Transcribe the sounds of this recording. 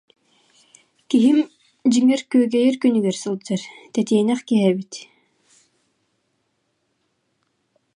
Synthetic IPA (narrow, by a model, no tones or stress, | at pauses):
kiɦim | d͡ʑiŋɛɾkyœɡɛjɛɾkynyɡɛɾsɯlˠd͡ʑaɾt̪ɛt̪iɛnɛχkiɦɛbit̪